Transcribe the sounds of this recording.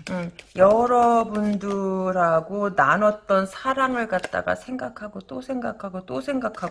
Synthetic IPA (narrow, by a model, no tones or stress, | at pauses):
ɯjʌɾʌbundɯɾaɡonanʌt͈̚ʌnsʰaɾaŋɯɭkat̚t͈a̰ɡa̰sʰe̞ŋɡakʰaɡot͈osʰe̞ŋɡakʰaɡot͈osʰe̞ŋɡakʰaɡ